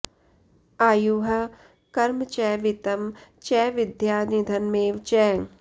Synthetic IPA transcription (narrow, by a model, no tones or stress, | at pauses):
aːjuːɦɐ | kɐɾmt͡ʃɛːʋɪt̪ɐmt͡ʃɛːʋɪd̪jaːnid̪ʱɐnmeːʋt͡ʃɛː